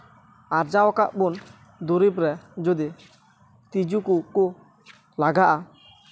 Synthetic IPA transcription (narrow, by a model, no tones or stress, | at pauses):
aɾd͡ʒawɔkaʔbun | d̪oɾibɾɛd͡ʒod̪i | t̪id͡ʒukuku | laɡaʔa